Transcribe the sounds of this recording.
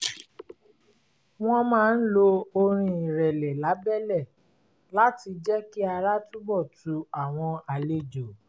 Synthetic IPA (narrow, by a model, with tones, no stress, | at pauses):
w̃ɔ̃˦mãː˦˧˦n̩˦lo˧o˧ɾ̃ĩ˧i˨ɾɛ˨lɛ˨la˨˦bɛ˦˨lɛ˦˨ | la˦ti˧d͡ʒɛ˦ki˦a˧ɾa˦tu˦bɔ˦˨tu˨˧a˨w̃ɔ̃˧a˧le˦d͡ʒo˨